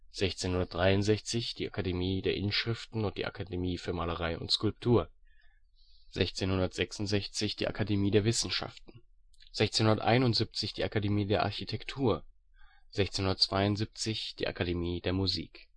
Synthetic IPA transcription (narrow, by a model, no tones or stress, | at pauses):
z̥ɛçt͡seːnhʊndɐt̚d̥ʁaɪʊntzɛçt͡sɪçd̥iːʔakʰademiːdeːɐʔɪnʃʁ̥ɪftn̩ʊnt̚d̥iːʔa̰kʰademiːfyːɐmaːləʁaɪʔʊ̰ntskʊlp̚tʰuːɐ | z̥ɛçt͡seːnhʊndɐtz̥ɛksʊntz̥ɛçt͡sɪçd̥ḭːʔa̰kʰademiːdeːɐvɪsn̩ʃa̰ftn̩ | z̥ɛçt͡seːnhʊndɐtʔa̰ɪnʊntz̥ip̚t͡sɪçd̥iːʔakademiːdeːɐʔa̰ɐçitʰɛktʰuːɐ | z̥ɛçt͡seːnhʊndɐtt͡sv̥aɪʊntzip̚t͡sɪçd̥ḭːʔa̰kademiːdeːɐmuzḭːk